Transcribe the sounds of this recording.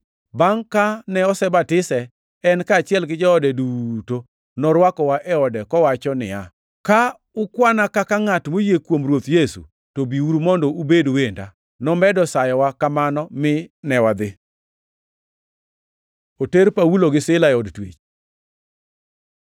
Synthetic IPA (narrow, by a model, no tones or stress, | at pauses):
baŋkanɛɔsɛbatɪsɛ | ɛnkaːt͡ʃɪɛlɡɪd͡ʒɛɔdɛduto | nɔɾwakɔwaʔɛɔdɛkɔwat͡ʃɔnɪ̰a | ka | ʊkwanakakaŋatmojekwomrwot̪jesṵ | tobiuɾumɔndɔubedowenda | nɔmɛdɔsajɔwakamanɔmɪnɛwad̪ɪ | oteɾpawuloɡɪsɪlaɛɔdtwḛt͡ʃ